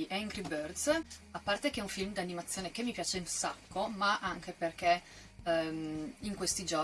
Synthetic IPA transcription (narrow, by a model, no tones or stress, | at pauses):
ʔɛŋɡɾibørd̪sapːart̪ekeɛuɱfilmd̪ianːimat̪sːjoːnekemːipjaːt͡ʃeinsakːomaʔaŋk̟eperke | miŋkwest̪id͡ʒo